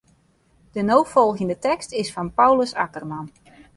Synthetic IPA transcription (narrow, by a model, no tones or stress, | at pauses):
d̥ənowfɔlˠɣəndətɛkstɪsfɔnpawləsakərman